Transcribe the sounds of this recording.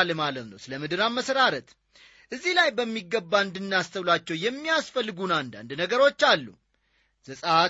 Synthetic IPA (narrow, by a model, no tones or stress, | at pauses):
lmalət̪nəwsɨləmɨd̪ɨɾamːəsəɾaɾət̪ | ʔɨzːihlajbəmːiɡːəbːaɨnd̪ɨnːast̪ʰəwlat͡ʃːɛwjɛmːijasfəlːɨɡunand̪a̰nd̪nəɡəɾo̞t͡ʃːalːṵ | z̥əsʼa